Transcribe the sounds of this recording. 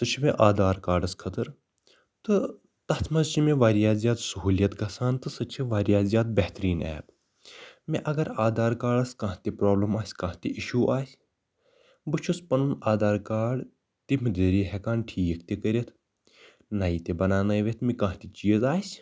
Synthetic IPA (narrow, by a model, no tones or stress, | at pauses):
t̪ɨt͡ʃʰimeʔaːd̪aːɾkaːɖɐskʰɐt̪ɨɾ | t̪ɨ | t̪ɐt̪ʰmɐzt͡ʃʰimeʋaːɾijaːzijaːt̪sɐɦuːljɐt̪ɡɐsaːnt̪ɨsɐt͡ʃʰiʋaːɾijaːzjaːt̪̚bɐht̪ɾiːnɛ̰ːb | meʔɐɡɐɾaːd̪aːɾkaːɖɐskãɦt̪ʲipɾoːblɐmaːsʲkãːɦt̪iʔiʃuːʔaːsʲ | bɨt͡ʃʰuspɐnunaːd̪aːɾkaːɖ | t̪imɨd̪eːɾiːɦɛkaːnʈʰiːjɐk̚ʰt̪ʲekɐɾʲɐt̪ʰ | naːit̪ebɐnaːnɐjʋet̪ʰmikãːɦt̪it͡ʃiːɐzaːsʲ